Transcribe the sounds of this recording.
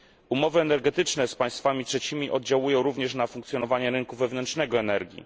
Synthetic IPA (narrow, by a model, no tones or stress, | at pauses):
umɔvɘɛnɛɾɡɛt̪ɘt͡ʂnɛspaj̃st̪famʲitʂɛt͡ɕimʲiʔɔd̪d͡ʑawujɔ̃w̃ɾuvɲɛʂnafuŋk̚t̪sjɔnɔvaɲɛɾɘŋkuvɛvnɛntt͡ʂʂnɛɡɔɛnɛɾɡʲḭ